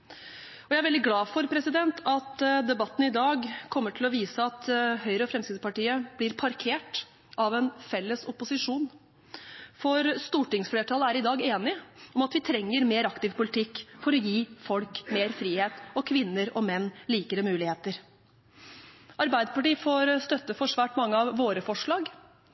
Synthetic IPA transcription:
ɔjæɪæɾʋɛld̪ɪɡlɑːfɔɾpʰɾɛsɪd̪ɛnt̪ʰɑt̪d̪ɛbɑt̪ːən̩ɪd̪ɑːɡkʰɔmːəʈʰɪlɔʋiːsəɑt̪hœʏɾəɔfɾɛmsɪd̪spɑʈiːəb̥lɪɾpʰɑɾkʰeːʈ | ʔɑʋɛnfɛlːəsɔpːʊsɪʂuːn | fɔɾst̪uːʈɪŋsfleːʈʰɑləæɾɪd̪ɑːɡeːnɪɔmɑt̪ʋɪt̪ʰɾɛŋːəɾmeːɾɑkt̪ɪʋpʊlɪt̪ʰɪkːfɔɾɔjiːfɔlkmeːɾfɾiːheːt̪ɔkʰʋɪnːəɾɔmɛnːliːkəɾəmʉːlɪheːt̪əɾ | ʔɑɾbæɪd̪əpɑʈiːfoːɾst̪œt̪ːəfɔʂʋæːʈmɑŋːəɑʋːoːɾəfɔʂɭɑːɡ

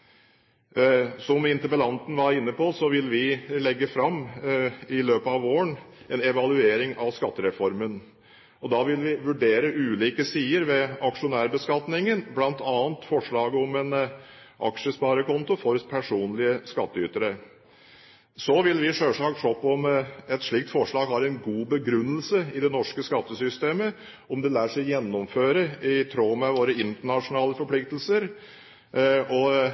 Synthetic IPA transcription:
sɔmɪnt̪əbəlɑnt̪n̩ʋɑɾɪnːəpɔsɔʋɪlʋɪlɛɡːəfɾɑmː | ɪløːpəɑʋoːəɳ | ɛnɛʋɑlʉeːɾɪŋʔɑʋskɑt̪ːəɾɛfɔɾmən | ɔd̪ɑʋɪlʋɪʋʉɖeːɾəʔʉːliːkəsiːəɾʋɛɑkʂʊnæːɾbəskɑt̪nɪŋənblɑnt̪ɑːnt̪fɔʂɭɑːɡəɔmɛnʔɑ̰kʂəspɑːɾəkʰɔnt̪ʊfɔɾpʰæʂuːnlɪəskɑt̪ːəʏt̪əɾə | sɔʋɪlʋɪʂøːʂɑːɡʂɔpːɔmɛt̪ʂɭɪk̚t̪fɔʂɭɑːɡhɑɾɛnɡuːbəɡɾʉnːəlsəɪd̪ɛnɔʂkəskɑt̪ːəsʏst̪eːmə | ɔmd̪ɛlæːʂɛɪjɛnːɔmføːɾəɪt̪ʰɾoːmɛʋoːɾəɪnt̪əɳɑʂʊnɑːləfɔɾpʰlɪk̚t̪əlsəɾ | ɔ

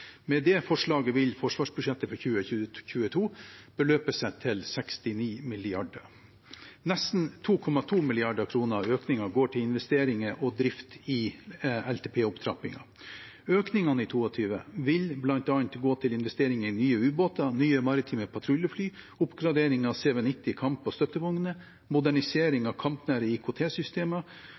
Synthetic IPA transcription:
mɛd̪ɛːfɔʂɭɑːɡəʋɪlfɔʂʋɑːʂbʉʂɛt̪ːəfɔɾçʉːəʉçʉːət̪ʰuːb̥əløːpəsɛt̪ʰɪlsɛkst̪ɪniːmɪlɪɑɖəɾ | nɛst̪n̩t̪ʰuːkʰɔmɑt̪ʰuːmɪlɪɑɖəkʰɾuːnəɾɑøːknɪŋɑɡoːʈʰɪlɪnʋɛst̪eːɾɪŋəʔɔd̪ɾɪft̪ɪɛlt̪ʰeːpʰeːʊpt̪ʰɾɑ̰pɪ̰ŋɑ̰ | øːknɪŋɑnəɪt̪ʰuːɔt̪ʰyːʋə̰ʋɪlblɑnt̪ɑnt̪ɡoːt̪ʰɪlɪnʋɛst̪eːɾɪŋəɾɪnyːəʉːboːt̪ɑnyːəmɑɾɪt̪ʰiːməpʰɑt̪ʰɾʊljəflyː | ʊpɡɾɑd̪eːɾɪŋɑʋsɛːʋənɪt̪ːɪkʰɑmpɔst̪œt̪ːəʋʊŋnə | mʊd̪æɳɪseːɾɪŋɑkʰɑmpnæːɾəikʰʊt̪ʰeːsʏst̪eːmə

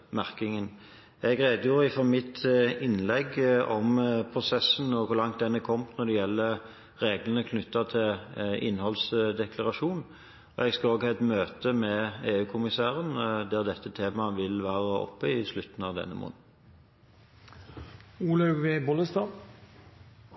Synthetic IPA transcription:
mæʁkɪŋən | ɛɡʁeːd̪əjuːɾəɪfɔmɪt̪ːɪnlɛɡɔmpʰʁʊsɛsənɔʋʊlɑŋt̪̚d̪ɛnːəkʰɔmnɔd̪ɛjɛlːə | ʁeːɡlənəkʰnʏt̪ːɑt̪ʰɪlɪ̰nːhɔlsd̪ɛkʰlɑʁɑʂuːn | ɔ̰ɛɡskɑoːɡɛt̪møːt̪əmɛeːʉːkʰʊmɪsæːʁənd̪æʁd̪ɛt̪ːət̪ʰeːmɑʋɪlʋæːʁəɔ̰pːəɪslʉt̪n̩ɑʋd̪ɛ̰nːə̰mɔ̰n̩ | uːlɑʉɡʋebɔləst̪ɑː

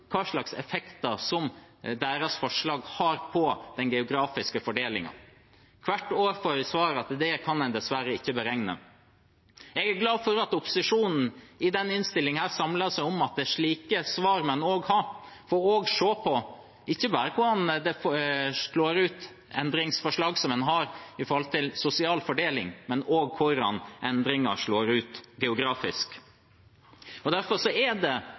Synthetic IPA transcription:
kʰɑːʂɭɑksɛ̰fɛkt̪ɑsɔmd̪æːɾɑsfɔʂɭɑːɡhɑːɾpʰɔd̪̥ɛnɡɛʊɡɾɑːfɪskəfɔɖeːlɪ̰ŋɑ̰ | kʰʋæʈːoːʋəɾfɔɾsʋɑːɾɑt̪d̪ɛkʰɑnd̪ɛd̪ɛsʋæɾəɪçːəbəɾɛŋnə̰ | ɛɡæɾɡlɑːfɔɾɑt̪ʊpʊ̥sɪʂuːnn̩ɪd̪ɛnɪnst̪ɪlːɪŋhæːɾsɑmlɑsæɪʊmɑt̪̚d̪ɛʂɭiːkəsʋɑːɾmɛnoːɡhɑɾ | fɔɾoːɡʂoːpʰɔ | ɪçːəbɑːɾəkʰʊɖɑnd̪ɛ | ɭoːɾʉːt̪ | ɛ̰nd̪ɾɪŋsfɔʂlɑːɡsɔmɛnɦɑɾɪfɔɾɔlt̪ʰɪlsʊsɪɑːlfɔɖeːlɪ̰ŋmɛnoːɡ̚kʰʊɾɑ̰nʔɛnd̪ɾɪŋɑ̰ʂɭoːɾʉːt̪ɡɛʊɡɾɑːfɪsk | ɔd̪æɾfɔɾʂɔɛd̪ɛ

